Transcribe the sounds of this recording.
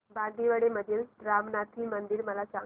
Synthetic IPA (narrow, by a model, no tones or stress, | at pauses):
bad̪iʋəɽeməd̪ʱjəlɾamnat̪ʰiːmənd̪iːɾməlasã